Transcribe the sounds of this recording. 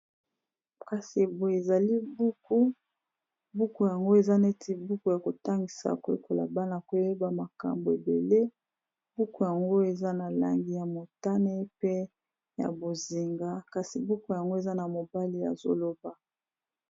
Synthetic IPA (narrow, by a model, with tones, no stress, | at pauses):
ka˨si˨e˨bo˨e˨za˨li˦bu˦ku˦ | bu˦ku˨ja˨ŋɡo˦e˨za˦ne˦tʰi˦bu˦ku˦˨ja˨ko˨ta˦ŋɡi˨sa̰˨ko˨ḛ˨ko˨la̰˨ba˦na˨ko˨je˦ba˨ma˨ka̰˨mbo˨e˨be˨le˦ | bu˦ku˦ja˨ŋɡo˦e˨za˦na˨la̰˨ŋɡi˨ja˨mo˨ta˦ne˦pe˦ | ja̰˨bo˨zi˨ŋɡa˦ka˨si˨bu˦ku˦˨ja˨ŋɡo˦e˨za˦na˨mo˨ba˦li˦ja̰˨zo̰˦lo˦ba˨